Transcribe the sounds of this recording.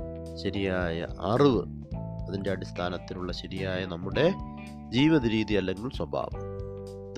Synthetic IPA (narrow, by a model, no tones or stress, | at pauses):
ɕɐɾijaːjɐ̰ʔɐriʋɨ | ɐðinde̞ɐɽist̪ʰaːnɐt̪ːinuɭːɐɕɐɾijaːjɐnɐmːuɽe̞ | d͡ʑiːʋɐðɐɾiːðijɐlːe̞ŋɡɐɭswɐbʱa̰ːʋɐm